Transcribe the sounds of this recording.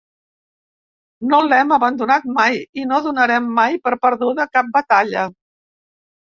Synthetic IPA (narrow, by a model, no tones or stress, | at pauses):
nolɛməβənd̪unat̪̚majinoðunəɾɛmːajpəɾpəɾðuðəkap̚bət̪aʎə̰